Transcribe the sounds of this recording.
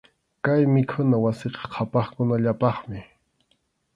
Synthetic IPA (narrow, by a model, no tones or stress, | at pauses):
kajmɪkʰʊnawasɪqɑ̥qʰɑpɑχkʊnaʎapɑχmɪ